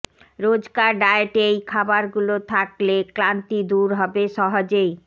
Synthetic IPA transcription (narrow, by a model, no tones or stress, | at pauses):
ɾod͡ʑɡaɾɖaeʈejkʰabaɾɡulot̪ʰaklekɾant̪id̪uɾɦɔbeʃɔɦod͡ʑej